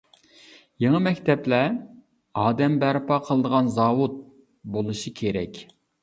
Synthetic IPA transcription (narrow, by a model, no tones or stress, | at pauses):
jeŋəmɛkʲt̪ʰɛplɛ | ɑːd̪ɛmbæɾpɑqʰəlˠəd̪əʁɑnzɑːwut̪̚ | bolˠɨʃikʲʰeɾɛkʲ